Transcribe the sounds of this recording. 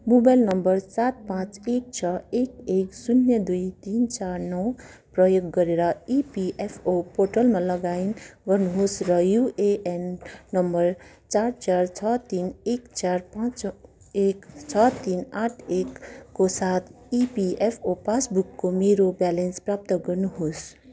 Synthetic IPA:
mobajlnʌmbʌrsat̪̚pãt͡sek̚t͡sʰʌekeksunːjʌd̪ujt̪int͡sarnʌw | prʌjoɡːʌɾeɾʌipiʔepʰopoʈʌlmalʌɡainɡʌrnuɦosrʌjuʔeʔenːʌmbʌr | t͡saɾt͡sart͡sʰʌt̪inekt͡sarpãt͡s | ekt͡sʰʌt̪inaʈʰekːosat̪ʰ | ipiepʰopasbukːomeɾobalensprap̚t̪ʌɡʌrnuɦos

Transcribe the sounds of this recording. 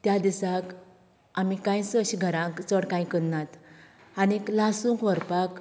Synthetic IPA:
t̪jad̪isãk | amikãjsəɕiɡʱəɾãkt͡səɽkãj̃kəɽnat̪ | aniklasũŋkʋəɾpak

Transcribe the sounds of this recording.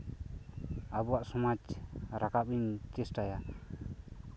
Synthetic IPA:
abuwaʔsɔmad͡ʒɾakapiɲt͡ʃɛsʈaja

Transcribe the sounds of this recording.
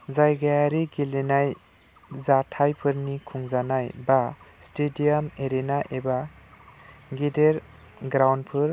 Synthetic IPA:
zajɡajaɾiɡilenaj | zatʰajpʰɯɾnikʰuŋzanajbastediameɾenaʔeba | ɡideɾ | ɡɾawnpʰɯɾ

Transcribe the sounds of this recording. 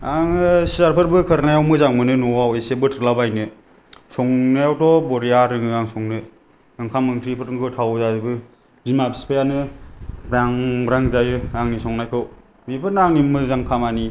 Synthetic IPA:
aŋɯsiaɾpʰɯɾbɯkʰɯɾnajawmɯzaŋmɯnɯnɔwawesebɯtʰɾlabajnɯ | sɔŋnajawtɔbɔɾijaɾɯŋɯaŋsɔŋnɯ | aŋkʰamɯŋtʰɾipʰɯɾɯŋkʰɯwtʰawzabɯ | zimabʰispʰejanɯbɾaŋbɾaŋzajɯaŋnisɔŋnajkʰɯw | mipʰɯɾnaŋnimɯzaŋkʰamani

